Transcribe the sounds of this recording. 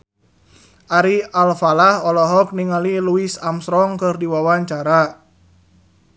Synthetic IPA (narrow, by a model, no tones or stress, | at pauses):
ʔaɾiʔalfalahɔlɔɦɔk̚niŋaliluisamsɾɔŋkɨrdiwawaɲt͡ʃaɾa